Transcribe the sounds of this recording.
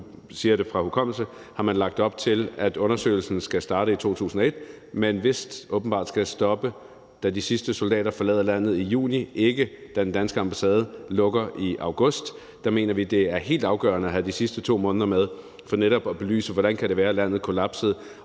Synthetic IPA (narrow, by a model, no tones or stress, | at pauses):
siːɐɾe̝fʁɑ̈hukʰɒ̽m̰l̩sə | hɑ̈mænlɑ̈ɡ̥̚d̥ɒ̽b̥̚t͡sʰe̝læd̥ɔ̽nɐsø̰ɪl̩sn̩sɡ̥æsd̥ɑ̈ːɾəit͡sʰo̝̰ːt͡sʰṵːsn̩ɒ̽e̝d̥̚menʋe̝sd̥ʔɔ̽ːb̥n̩bɑ̈ːd̥sɡ̥æsd̥ɒ̽b̥ə | d̥ædisisd̥əso̝ld̥ɛ̰ːɾɐfɒlɛ̰ːðˠɐlæn̰ð̞̩ˠijṵːniʔe̝ɡ̥əd̥ædend̥ænsɡ̥əɑ̈mb̥æsɛːð̞ˠəlɔ̽ɡ̥ɐʔiʔɑ̈ʊɡ̥ɔ̽sd̥ː | ɑ̈me̝̰ːnɐʋid̥e̝æɐɦe̝̰ːld̥ɑ̈ʊɡ̥ɶ̰ːɐnəæɦædisisd̥ət͡sʰo̝̰ːmɔ̽ːnəðˠɐmeð̞ˠ | fɒ̽neɾɒ̽b̥ɒb̥e̝ly̰ːsəʋɒɾænkʰæɾeʋæːɐlæn̰ð̩ˠkʰo̝læb̥səð̞̩ˠ